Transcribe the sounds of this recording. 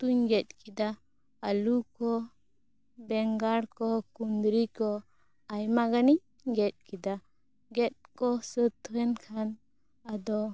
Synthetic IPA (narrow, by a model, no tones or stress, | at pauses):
t̪uɲɡɛt̪̚ˀkid̪a | əlukɔ | bɛŋɡaɽkɔkund̪ɾikɔ | ajmaɡaniɲ | ɡɛt̪̚kid̪a | ɡɛt̪̚kɔsət̪ʰwɛnkʰan | ad̪ɔ